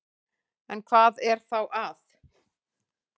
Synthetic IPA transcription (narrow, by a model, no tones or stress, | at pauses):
ɛnkʰvaːðɛɾ̥θawʔaθ